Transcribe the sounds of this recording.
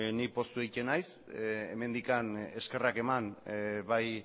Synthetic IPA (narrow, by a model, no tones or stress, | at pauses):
nik̚po̞st̪uejt͡ʃenajs | eme̞nd̪ikane̞ske̞rake̞manβaj